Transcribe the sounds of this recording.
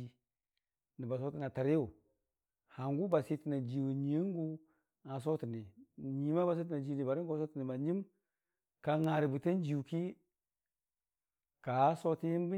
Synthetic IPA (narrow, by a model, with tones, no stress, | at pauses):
i˦ | ni˨ba˨so˦ti˦na˨ta˨ɾi˦u˨ | ha˨ŋɡu˦ba˨si˦ti˨na˨d͡ʒi˨wu˨ɲi˨˦i˦ŋ˦ɡu˦ | ŋa˨s̬o˦ti˨ni˨ɲi˨˦ma˦ba˨s̬i˦t̬i˨na˨d͡ʒi˨ni˨ba˨ɾi˦o˦s̬o˦ti˨ni˨ma˨ɲi˦m | ka˨ŋa˨ɾi˨bi˨ti˦n˦d͡ʒi˨u˨ki˦ | ka˨˦so˦ti˦ji˦m˦bi˦